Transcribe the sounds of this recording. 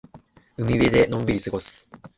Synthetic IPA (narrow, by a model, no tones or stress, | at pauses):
ɯ̟mʲiβe̞d̪e̞nõ̞mbiɾʲisɨɡo̞sɨ̥